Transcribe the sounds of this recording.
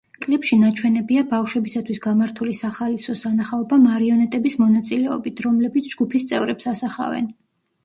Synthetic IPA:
kʼlɛpʃinat͡ʃʰwɛnɛbiabafʃwɛbisat̪ʰwisɡamaɾt̪ʰulisaχalisɔsanaχaɔbamaɾiɔnɛt̪ʼɛbismɔnat̪sʼilɛɔbit̪ʰɾɔmlɛbit̪sʰd͡ʒɡupʰist̪sʼɛvɾɛpsasaχa̰vɛ̰n

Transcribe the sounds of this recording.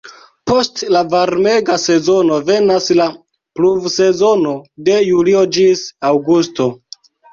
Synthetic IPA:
po̞stlavaɾme̞ɡase̞zo̞no̞ve̞nasla | pluvse̞zo̞no̞de̞juliod͡ʒisawɡusto̞

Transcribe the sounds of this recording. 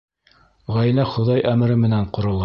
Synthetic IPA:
ʁæj̆læχŏðɑjʔæmɘ̆ɾɘmɘ̆næɴqŏɾŏlˠɑ

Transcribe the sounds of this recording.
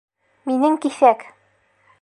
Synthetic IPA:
minɘŋkiθæk

